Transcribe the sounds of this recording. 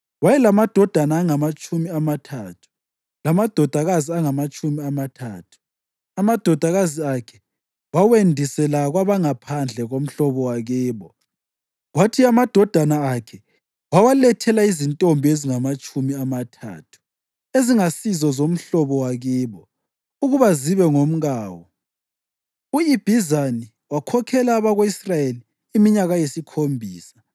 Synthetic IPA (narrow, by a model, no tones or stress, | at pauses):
wajɛlamad̥ʱɔd̥ʱanaːŋamat͡ʃʼumiamatʰatʰu̥ | lamad̥ʱɔd̥ʱaɣaziaŋamat͡ʃʼumiamatʰaːtʰu̥ | amad̥ʱɔd̥ʱaɣaziakʰɛ | wawendʱisɛlaɣwaβaŋapʰand͡ɮʱɛɣom̩ɬɔβɔwaɣiːβɔ | ɣwatʰiamad̥ʱɔd̥ʱanaakʰɛ | wawalɛtʰɛlaizintʼɔmbʱeziŋamat͡ʃʼumiamatʰa̰ːtʰu̥ | eziŋasizɔzom̩ɬɔβɔwaɣiːβɔ | uɣuβaziβɛŋom̩ɣaːwɔ | uib̥ʱizani | wakʰɔkʰɛlaːβaɣoisrajeliː | miɲaɣajesikʰombʱiːsḁ